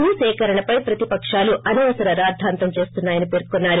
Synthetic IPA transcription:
isɛːkɐɾɐɳɐpɐjpɾɐt̪ipɐkʂaːluɐniʋɐsɐɾɐɾaːd̪ʱaːnt̪ɐmt͡ʃe̞ːst̪unːaːjɐnipe̞ːɾkunːaːɾu

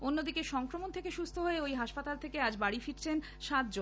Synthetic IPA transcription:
onːod̪ikeʃɔŋkɾomont̪ʰekeʃust̪ʰoɦoeojɦaʃpat̪alt̪ʰekead͡ʑbaɽifiʈt͡ɕʰen | ʃat̪̚d͡ʑon

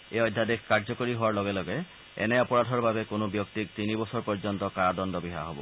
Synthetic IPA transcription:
ejɔdʱadɛkkaɹzɔkoɹiɦowaɹlɔɡɛlɔɡɛ | ɛ̰nɛɔpɔɹadʱɔɹbabɛkonobjɔktik̚t̪inibɔsɔɹpɔɹzɔntɔkaɹadɔndɔbiɦa̰ɦobɔ̰

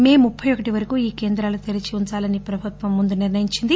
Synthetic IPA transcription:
me̞ːmupʰːɐjɔkːɐʈiʋɐɾɐkuːiːke̞ːnd̪ɾaːlut̪elit͡ʃiunt͡ʃaːlɐnipɾɐbʱut̪ʋɐmːund̪uniɾnɐjiɲt͡ʃind̪i

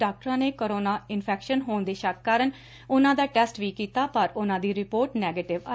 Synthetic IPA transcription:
aːk̚ʈəɾãːneːkoɾoːnaːɪnpʰɛːkʃənɦoːnd̪eːʃəkːaːɾən | ʊnãːd̪aːʈɛːsʈʋiːkiːt̪aːpəɾʊnãːd̪iːɾɪpoːɾʈnɛːɡeːʈɪʋa

